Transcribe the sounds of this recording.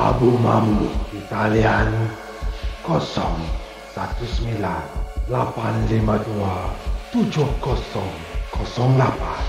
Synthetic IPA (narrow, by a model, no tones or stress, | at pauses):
a̰buma̰muʔit̪alian | kɔsɔ̰ŋ | sat̪usmilanlapanlimaduat̪ud͡ʒohkɔsɔŋkɔsɔŋlapan